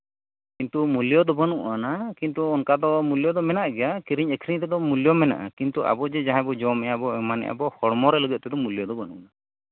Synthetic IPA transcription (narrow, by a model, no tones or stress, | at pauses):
kint̪umuljɔd̪ɔbanuʔanakint̪uɔnkad̪ɔmuljɔd̪ɔmɛnaʔɡɛjakiɾiɲɛkʰɾiɲt̪ɛd̪ɔmulijɔmɛna̰ʔa̰kint̪uʔa̰bɔd͡ʒɛd͡ʒaɦɛ̃bɔd͡ʒɔmɛjabɔɛmanɛ̰jʔa̰bɔhɔɽmɔɾɛləɡɛt̪̚ˀt̪ɛd̪ɔmulijɔd̪ɔbanṵʔana